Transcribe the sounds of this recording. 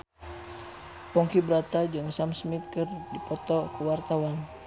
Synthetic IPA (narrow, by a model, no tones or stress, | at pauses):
pɔŋkibɾat̪ad͡ʒɨŋsamsmit̪̚kɨrdipɔt̪ɔkəwart̪awan